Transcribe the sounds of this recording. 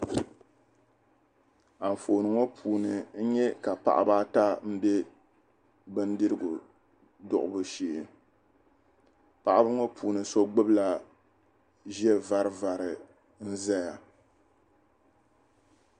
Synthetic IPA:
a˨ɱ̩˨fo˨nɨ˨ŋo˦pʰuː˨nɨ˨n̩˦ɲɛ˦ka˨pa̰˨ʔa̰˦baː˦ta˦m̩˦bɛ˦ | bɨ˦n˦dɨ˦ɾɨ˦ɡʊ˨ | dʊ̰˨ʔʊ˦bɨ˦ʃiː˦ʔɪ˨n | pa˨ʔa˦bɨ˦ŋo˦pʰuː˨nɨ˨so˦ɡ͡bɨ˦bla˨ | ʒɛ˦va˦ɾɨ˨va˨ɾɨ˨ | n̩˦za˦ja˨

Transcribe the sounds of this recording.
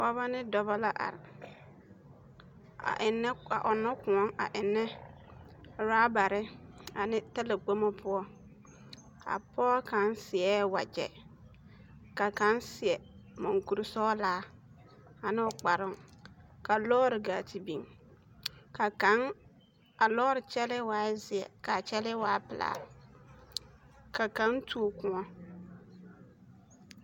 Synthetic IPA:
wa˦βa˦nɪ˦dɔ˨ba˦la˦ʔa̰˨ɾɪ˨ | a̰˨ʔɪ˨nːɛ˦a̰˨ʔʊ˨nːɔ˦kʊ̃˨ɔ˦ŋa̰˨ʔɪ˨nːɛ˦ | ɾaː˦ba˨ɾɪ˦a˨nɪ˦ta˦la˨ɡ͡bo˦mɔ˦pʰʊ˦ɔ˦ | a̰˨pɔː˦ka˨˦nsɪ˨ɛː˦wa̰˨d͡ʒɛ̰˨ | ka˨ka˨˦nsɪ˨ɛ˨mʊ˨ŋku˨ɾɪ˦sɔː˦laː˨˦ | a˨nɪ˦ɔ˨k͡pa˨ɾʊ˦ŋka˨lɔː˦ɾɪ˨ɡa˨tʰi˨bi˨ŋ | ka˨ka˨˦ŋ | a˨lɔː˦ɾɪ˨t͡ʃɛ˦lɪ˦waː˨˦zɪ˨ɛ̰˨ka˨t͡ʃɛ˦lɪ˦waː˨˦pɪ˨la̰ː˨ | ka˨ka˨˦ntʰu˦o˨kʊ̃˦ŋɔ˦

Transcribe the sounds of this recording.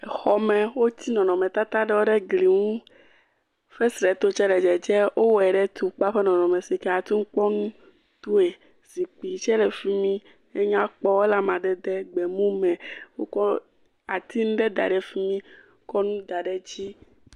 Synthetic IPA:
ɛ˨xɔ˦mɛ̃˨wo˦t̪i˦nɔ̃˨nɔ̃˨mɛ̃˨t̪a˦t̪a˦ɖɛ˦wo˦ɖɛ˦ɡli˨ŋũ˦ | fɛ˦sɾɛ˨t̪o˦t͡ʃɛ˦lɛ˨d͡ʒɛ˨d͡ʒɛ˦ʔo˦wɛ˨ɖɛ˦t̪u˨k͡pa˦ɸe˦nɔ̃˨nɔ̃˨mɛ̃˨si˨kɛ˦a˨t̪u˦ŋ̩˦k͡pɔ˦nũ˦ | t̪u˦e˨ | z̥i˨k͡pi˨t͡ʃɛ˦lɛ˨fi˦mĩ˦ | e˦ɲã˦k͡pɔ˦we˦la˦mã˨ɖɛ˦d̪ɛ˦ɡ͡bɛ˨mũ˦mɛ̃˨wo̰˦kɔ˦ | a˨t̪i˦nũ˦ɖɛ˦d̪a̰˨ɖɛ˨fi˦mĩ˦ | kɔ˦nũ˦d̪a˨ɖɛ˨d͡ʑi˦

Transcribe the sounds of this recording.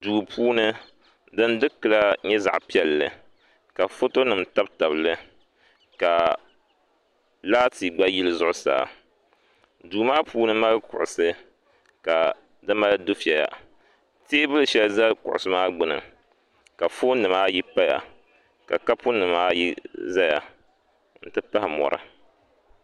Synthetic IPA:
duː˨pʰuː˦nɨ˦ | dɨ˦ndɨ˦kɨ˨la˦ɲɛ˦za̰˨ʔpi˦ɛ˦lːɨ̰˨ | ka˨fo˦to˦nɨ˨mta˦bta˨blɨ˦ | ka˨ | laː˦ti˨ɡ͡ba˦ji˦lɨ˦zʊ˦ʔʊ˦sa̰ː˨ | duː˨˦maː˦puː˦nɨ˦ma˦lkʊ̰˨ʔʊ˨sɨ˦ | ka˨ | dɨ˦ma˦ldʊ˦fi˦˨ɛ˨ja̰˨ | teː˦bɨ˦lɨ˨ʃɛ˦lza˦kʊ̰˨ʔʊ˨sɨ˦maː˦ɡ͡bɨ˦nɨ̰˨ | ka˨fo˦nɨ˨maː˦ji˦pa˦ja̰˨ | ka̰˨ka˦pʊ˦nɨ˨maː˦jḭ˦za˦ja̰˨ | n̩˨tɨ˦pa˦hɪ˨mɔ̰˨ɾɨ̰˨

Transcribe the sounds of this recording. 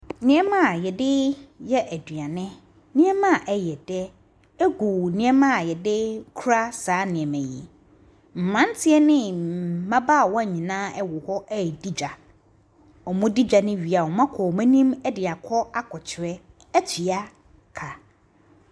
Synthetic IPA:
nɪ̃˨˦ɛ˦mã˦˨jɛ˨dɪ˦jɛ˦ʔæ˨dɥa˨nɪ̃˦ | nɪ̃˦ɛ˦mã˦˨ʔɛ˨jɛ˨d̥ɛ˦ | ɛ˦ɡu˨nɪ̃˦ɛ˦mã˦˨jɛ˨dɪ˦kʰu˦ɾa˦saː˨˦nɪ̃˨ɛ˨mæ̃˨jḭ˨ | m̩˨mã˦n˦tʰɪ˦ɛ˦nɪ̃˦m̩˨mã˦ba˦˨wɔ˦a˦˨ɲĩ˨nãː˦ɛ˦wʊ˨hɔ˦ʔɛ˦˨di˦d͡ʑᶣa˨ | ɔ˨mʊ̃˦di˦d͡ʑᶣa˨nɪ̃˦ɥi˨a˨wɔ˨mã˦kʰɔ˨mɛ̃˦nĩ˦mɛ˦dɪ˨a˨kʰɔ˦a˦kʰɔ˨t͡ɕʰɪ˨ɾɛ˦ | æ˦t͡ɕʰi˨a˦ | kʰa˨

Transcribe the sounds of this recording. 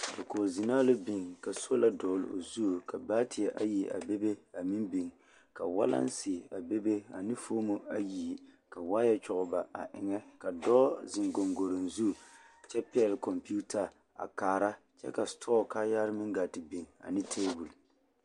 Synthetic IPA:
ka˨koː˨zi˨naː˦lɨ˦bi˨ŋka˨so˦la˦dɔː˨l̰o̰˨zu˦˨ka˨baː˦tʰɪ˨a˨ʔa˦ji˨ʔa̰˨be˦be˦a˨mɪ˦mbi˨ŋ | ka˨wa̰˦la̰˦n˦sɪ˨a˨be˦be˦a˨nɪ˦foː˦mo˦a˦ji˨ka˨waː˦jɛ˦t͡ʃʊ˨ɡʊ˨ba˨a̰˨ʔɪ˨ŋɛ˦ka˨dɔː˦zɪ˨ŋɡo˨ŋɡo˨ɾɨ˨nzu˦˨t͡ʃɛ˦pɛ˦ɛ˦˨lkɔ˨mpi˦u˦ta˨ | a̰˨kaː˨ɾa˦ | t͡ʃɛ̰˦ka˨stʰɔː˦kaː˦ja˦ɾɨ˦mɪ˦ŋɡa˨tɪ˨bi˨ŋa̰˨nɪ˦tʰeː˦bu˨l

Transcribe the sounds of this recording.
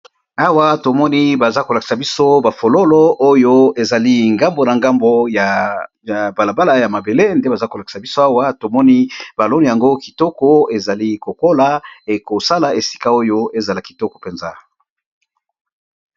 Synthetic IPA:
a˦wa˦to˨mɔ˦ni˦ba˨za˦ko˨la˨ki̥˨sa˨bi˦so˦ba˨fo˨lo˦lo˦o˦jo˦e˨za˨li˦ŋɡa˦mbo˨na˨ŋɡa˦mbo˦ja˨ | ja˨ba˨la˨ba˦la˦ja˨ma˨be˨le˦nde˦ba˨za˦ko˨la˨ki̥˨sa˨bi˦so˦a˦wa˦to˨mɔ˦ni˦b̥a˨lo˦ni˨ja˨ŋɡo˦ki˨tɔ˦kɔ˦e˨za˨li˦ko˨ko˦la˦e˨ko˨sa˦la˨e˨si̥˦ka˦o˦jo˦e˨za˨la˨ki˨tɔ˦kɔ̥˨pɛ˨nza˦

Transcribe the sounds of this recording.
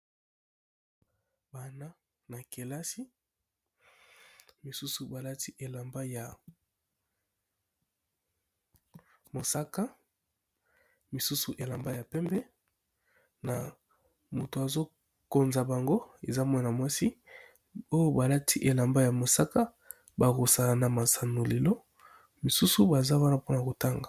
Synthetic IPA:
ba˨na˦ | na˨ke˨la˦si˦ | mi˨su˦su˨ba˨la˦ti˦ʔe˨la˨mba˦ja˨ | mo˨sa˦ka˦ | mi˨su˦su˨ʔe˨la˨mba˦ja˨pɛ˦mbɛ˦ | na˨ | mo˨to˨a˨zo˦ | ko˨nza˨ba˨ŋɡo˦e˨za˦mwa˦na˨mwa˦si˦ | o˦jo˦ba˨la˦tʰi˦ʔe˨la˨mba˦ja˨mo˨sa˦ka˦ | ba˨ɣo˨sa˨na˨ma˨sa˨no˨le˨lo˦ | mi˨su˦su˦ba˨za˦wa˦na˨po˦na˨ko˨ta˦ŋɡa˨

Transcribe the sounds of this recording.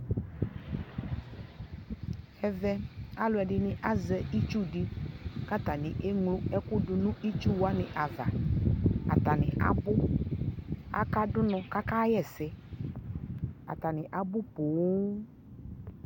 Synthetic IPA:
ɛ˨vɛ˦a˦lʊ˨˦ɛ˨ɖɪ˨nɪ̃˨ʔa˦zɛ˨i˦t͡ʃu˦ɖi˦ka˦t̪a˨nɪ̃˨ʔe˦ŋlʊ˦ɛ˦ku˦ɖʊ˨nũ˦ʔi˦t͡ʃu˦wa˦nɪ̃˨ʔa˨va̰˨ | a̰˨t̪a˨nɪ̰̃˨ʔa̰˨bʊ˦ | a̰˦ka˦ɖʊ˦nɔ̃˨ka˦ka˦jɛ˦˨sɛ˦ | a̰˨t̪a˨nɪ̃˨ʔa˨bʊ˦po˨w

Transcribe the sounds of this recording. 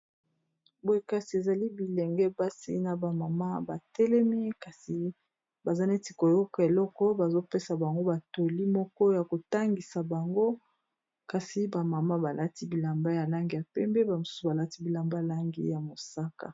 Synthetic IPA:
bo˨e˦ka˨si˨e˨za˨li˦bi˨lɛ˨ŋɡɛ˦ba˦sḭ˦na˨ba˨ma˨ma˦ba˨tɛ˦lɛ˦mi˦ka˨si˨ | ba˨za˦ne˦ti˨ko˨jɔ˦kɔ˨e˨lɔ˦kɔ˦ba˨zo˦pe˦sa˨ba˨ŋɡo˦ba˨to˨li˦mɔ˦kɔ˦ja˨ko˨ta˦ŋɡi˨sa˨ba˨ŋɡo˦ | ka˨si˨ba˨ma˨ma˦ba˨lʔa˦ti˦bi˨la˨mba˦ja˨la˦ŋɡi˦˨ja˨pɛ˦mbɛ˦ba˨mo˨su̥˦u˨ba˨la˦ti˦bi˨la˨mba˦˨la˦ŋɡḭ˦ja˨mo˨sa˦ka̰˨

